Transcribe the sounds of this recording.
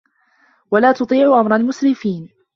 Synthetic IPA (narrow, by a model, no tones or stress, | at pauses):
walaːt̪ʊt̪ˤiːʕʊʔamɾˤɑlmʊsɾɪfiːn